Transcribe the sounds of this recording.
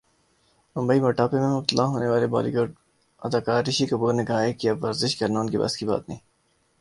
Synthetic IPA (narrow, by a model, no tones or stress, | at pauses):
mʊmbəimɐːʈaːpemẽmʊb̚t̪əlaːɦoːneʋaːleba̰ːlḭɡoːɖ | ɐd̪aːkaːɾːɪʃikɐbuːɾnekɐɦaɦekiɐbʋɐɾzɪʃkɐɾnaʊnkibɐ̰skiba̰ːt̪nəɦĩː